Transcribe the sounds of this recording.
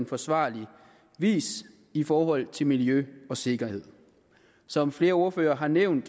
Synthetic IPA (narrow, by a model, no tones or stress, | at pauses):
nfɒ̽sʋɑ̰̈ːli | ʋḭːs | ifɒːɦɒ̽l̰t͡sʰe̝lmiljøɒ̽se̝ɡ̥ɐhe̝ð̰ˠ | sɒ̽mfle̝ːɐo̝ɐføːɐːɦɑ̈neʊ̰nd̥